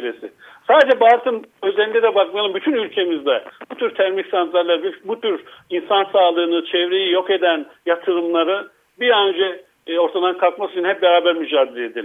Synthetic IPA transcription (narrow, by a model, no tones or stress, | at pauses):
ɾesɪ̰ | saːd̪ed͡ʒɛbaːɾt̪ʰɯmøzeind̪ɛd̪ɛbak̚majalˠɯmbyt̪ʰynylʲcʰe̞mizd̪ɛb̥ut̪ʰyɾt̪ʰæɾmiçsant̪laɾlˠaɾbibut̪ʰyɾinsansaːlˠɯːnɯt͡ʃʰɛvɾejijo̞ke̞d̪ænjat̪ʰɯɾɯmlˠaɾɯ | biɾand͡ʒɛ | o̞ɾt̪ʰad̪ankʰalˠkmasyt͡ʃʰinhɛp̚bɛɾaːbæɾmyd͡ʒaːd̪ilʲeed̪ilʲ